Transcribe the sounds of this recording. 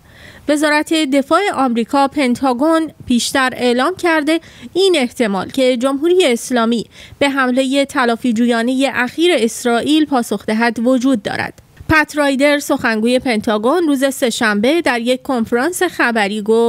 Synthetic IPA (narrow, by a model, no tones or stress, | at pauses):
ve̞zɒːɾæt̪ʰe̞d̪e̞fɒːe̞ʔɒːmɾiːkʰɒːpʰe̞nt̪ʰɒːɡo̞npʰiːʃt̪æɾe̞ʔlɒːmcʰæɾd̪e̞ | iːne̞ht̪ʰe̞mɒ̰ːlcʰe̞d͡ʒo̞mɦuːɾiːje̞ːslɒːmiːb̥e̞ɦæmle̞je̞t̪ʰælɒːfid͡ʒuːjɒːne̞je̞ʔæxiːɾe̞ːsɾɒːʔiːlpʰɒːso̞xd̪eɦæd̪vo̞d͡ʒuːd̪̚ːɒ̰ːɾæ̰d̪̥ | pʰæt̪ʰɾɒːjd̪e̞ɾso̞xæŋɡuːje̞pʰe̞nt̪ʰɒːɡo̞nruːze̞se̞ʃæmbe̞d̪æɾje̞c̚ʰkʰo̞nfeɾɒːnse̞xæbæɾiːɡof